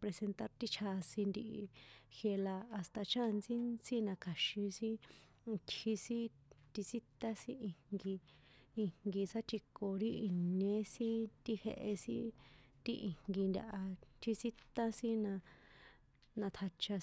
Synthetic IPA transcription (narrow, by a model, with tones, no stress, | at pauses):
pɾe˧se˧nt̪a˦ɾt̪i˦t͡ʃʰa˧si˧nd̪i˧ʔi˧xje˧laː˧st̪a˧t͡ʃa˦˨˧nt͡sĩ˦si˦nã˧kʰa˨ʃĩ˧sĩ˦˧ | t̪hi˧sĩ˦ | t̪i˧si˦t̪a˦sĩ˦i˧ŋɡiː˧ | ŋ̥ɡi˧sa˦t͡ʃi˧ko˨ɾi˦i˧nɲẽ˧˦sĩ˦t̪i˧hḛ˧ʔe˧sḭ̃˦t̪i˦˧ʔi˧˨ŋ̥ɡi˧nd̪ʲa̰˧ʔa˧t̪i˧si˦t̪ã˦sĩ˦nã˧ | nã˧t̪ʰa˧t͡ʃa˧